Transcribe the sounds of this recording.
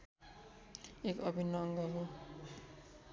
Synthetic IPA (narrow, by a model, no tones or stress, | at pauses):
ekɔbʱinːɔŋɡaɦo